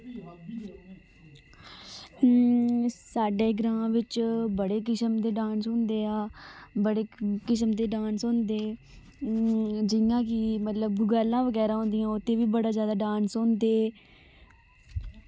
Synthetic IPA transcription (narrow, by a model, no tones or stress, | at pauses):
saːɖeːɡɾãːʋɪt͡ʃbəɽeːk̬ɪsəmd̪eːɖaːnsɦʊ̃nd̪eːaːbəɽeːkɪsəmd̪eːɖaːnsɦʊ̃nd̪eː | d͡ʒɪjãːkɪmət̪ləbːʊɡɛːlãːʋəɡɛːɾaːɦʊ̃nd̪ijãːʊt̪ʰːẽːʋiːbəɽaːzjaːd̪aːɖaːnsɦʊ̃nd̪eː